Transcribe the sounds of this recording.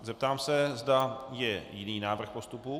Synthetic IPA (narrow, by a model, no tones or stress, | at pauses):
zɛp̚t̪aːmsɛzdajɛjɪniːnaːvr̩xpo̞st̪upu